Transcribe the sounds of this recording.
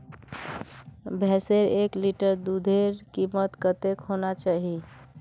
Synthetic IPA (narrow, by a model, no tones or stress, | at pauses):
bʱeseɾekliʈəɾd̪ud̪ʱeɾkimət̪kət̪ekɦonat͡ʃaɦi